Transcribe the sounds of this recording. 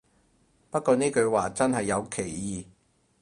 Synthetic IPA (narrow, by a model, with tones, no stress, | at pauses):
pɐ˥t̚kɔː˧niː˥kɵ˨˧ɥwaː˨t͡sɐ˥nɦɐ˨jːɐ˨˧wkʰe˨˩jːiː˨